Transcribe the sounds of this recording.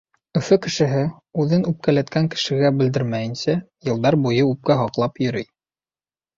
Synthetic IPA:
ɵ̆fɘkɘ̆ʃɘ̆ɦɘ | ʉðɘnʉp̚kælæt̪kæŋkɘ̥̆ʃɘ̆ɡæbɘ̆ld̪ɘɾmæjɘ̆nsæ | jɤ̆lˠd̪ɑɾbujɤʉp̚kæɦɑqlˠɑpjɵ̆ɾɵj

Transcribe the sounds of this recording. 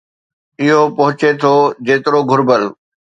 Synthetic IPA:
ɪɦopɐɦʊt͡ɕet̪ʰod͡ʑeːt̪ɪɾoɡʱʊɾbəl

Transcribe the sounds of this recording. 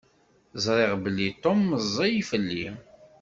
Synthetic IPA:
zˤɾˤeʁbəlːit̪ˤomːəzˤːɑjifəlːi

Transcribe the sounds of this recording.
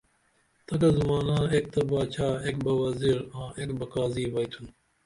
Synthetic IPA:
t̪ɐkɐzumaːnãːek̚t̪ɐbaːt͡ɕʰaːek̚bɐʋɐziɾãːʔekbɐkaːziːʋɐjt̪ʰun

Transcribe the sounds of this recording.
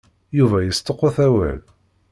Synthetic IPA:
juvæjəst̪əqːæθæwæ̰l

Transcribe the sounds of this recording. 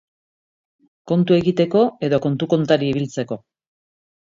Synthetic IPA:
ko̞nt̪ue̞ɣit̪e̞ko̞e̞ðo̞ko̞nt̪uko̞nt̪aɾiiβ̞ilt͡seko̞

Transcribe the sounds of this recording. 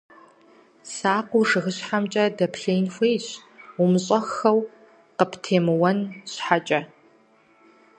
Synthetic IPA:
saːqʷuʂɨxɨɕħamt͡ʃʼɐdɐpʰɬejnxʷeːjɕʊmɕʼɐxɐw | qəptʰeːmɨwɐnɕħat͡ʃʼɐ

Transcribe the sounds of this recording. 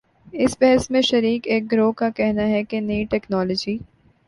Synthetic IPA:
ɪsbɛɦɛsmẽʃɐɾiːkeːk̚ɡɾoːkakɛɦnaɦɛkenɐiʈɛːknɔːləːd͡ʒiː

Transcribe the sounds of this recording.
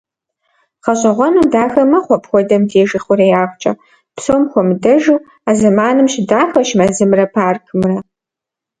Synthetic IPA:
qɐɕʼɐʁʷɔnuːdaːxɐmɐχʷɔpʰxʷɔdɐmdʰeːʒɪχʷʊɾɐjaːχʷt͡ʃʼɐ̰ | psoːmxʷɔmɨdɐʒuː | aːzɐmaːnɨmʃɪdaːxɐʃmɐzɨmrɐpʰaːrkʰɨmrɐ

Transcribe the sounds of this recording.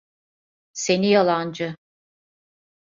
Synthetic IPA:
se̞nijalˠand͡ʒɯ

